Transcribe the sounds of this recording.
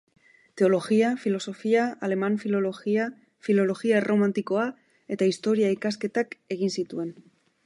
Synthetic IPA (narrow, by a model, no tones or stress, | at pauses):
t̪e̞o̞lo̞ɣiafilo̞so̞fiaale̞maɱfilo̞loɣia | filo̞lo̞ɣiaromant̪iko̞a | e̞t̪aist̪o̞ɾiaikaske̞t̪ake̞ɣ̞insit̪ue̞n